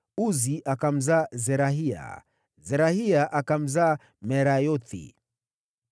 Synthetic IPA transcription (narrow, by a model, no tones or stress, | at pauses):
uziʔakam̩zaːzɛɾaɦia̰ | zɛɾahiaʔakam̩zaː | mɛɾajɔtḭ